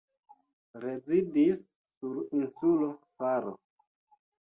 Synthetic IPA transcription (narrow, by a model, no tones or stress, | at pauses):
ɾezidisː | uɾinsulofaɾo̰